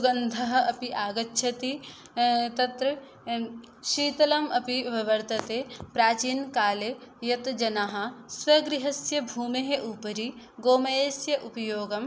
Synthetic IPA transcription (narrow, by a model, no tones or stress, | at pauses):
suɡɐnd̪ʱɐɦɐ̆ɐpiʔaːɡɐtːʃʰɐt̪i | t̪ɐt̪ɾɐ | ʃiːt̪ɐlɐmɐpiʋɐʋɐɾt̪ɐt̪eːpɾaːt͡ʃiːnkaːlejɐt̪d͡ʒɐnaːɦɐ̆swɐɡɾiɦɐsjɐbʱuːmeɦeʔupɐɾi | ɡoːmɐjeːsjɐʔupɐjoːɡɐm